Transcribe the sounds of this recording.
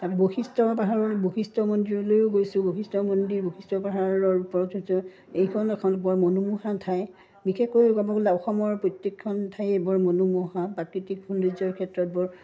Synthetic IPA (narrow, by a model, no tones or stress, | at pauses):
tapɛboxistɔpaɦaɹɔbokistɔmondiɹɔlojʊɡojsʊ̃bokistɔmondiɹbokʰistɔpaɦaɹɔɹupɔɹɔtɦojsɔ̃ | ejkʰɔnɛkʰɔnbɔɹmonumuhatʰaj | bikʰekojkɔbɔɡɔlaɔxɔmɔɹpɹotːikʰːɔntʰajebɔɹmonumɔɦapɹakɹitikhundizɔɹkʰɛtɹɔt̚bɔɹ